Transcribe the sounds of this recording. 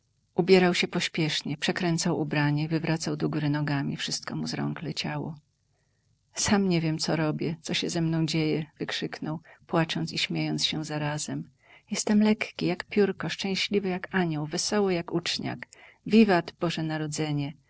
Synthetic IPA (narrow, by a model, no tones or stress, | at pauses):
ʔubʲjɛɾawɕɛpɔɕpʲjɛʂɲɛpʂɛkɾɛnt̪sawʔubɾaɲɛvɘvɾʔat̪sawd̪ɔɡuɾɘnɔɡamʲḭfʂɘst̪kɔmuzɾɔ̰ŋklɛt͡ɕawɔ̰ | samɲɛvʲjɛmt̪sɔɾɔbʲjɛt̪sɔɕɛzɛmnɔ̃w̃d͡ʑejɛvɘkʂɘknɔwpwat͡ʂɔnt̪siɕmʲjejɔnt̪sɕɛzaɾazɛm | jɛst̪ɛmlɛkkʲijakpʲjuɾkɔʂt͡ʂɛ̃w̃ɕlʲivɘjakaɲɔwvɛsɔwɘjakut͡ʂɲa̰k | vʲivad̪b̥ɔʐɛnaɾɔd̪zɛɲɛ